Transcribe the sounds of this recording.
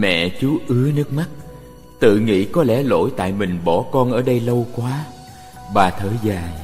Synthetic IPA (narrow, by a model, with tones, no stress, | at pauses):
mɛ̰˧˨t͡ɕu˨˦ʔɨ˨˦ənɨ˦˥ək̚ma˦˥t̚ | t̪ɨ̰˧˨ŋḭ˧˨kɔ˨˦lɛ˧˩lo̰˧˥jt̪a̰ː˧˨jmï˨˩ŋ̟ɓɔ˧˩kɔ˧nʔəː˧˩ɗə˧jlə˧wkwaː˨˦ | ɓaː˨˩t̪ʰəː˧˩jzaː˨˩j